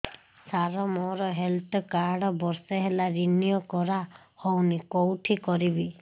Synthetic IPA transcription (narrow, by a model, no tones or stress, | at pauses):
saɾɔmɔɾɔɦelt̪ɔkaɾɽɔbɔɾseɦelaɾinijɔkɔɾa | hɔwnikowʈʰikɔɾibi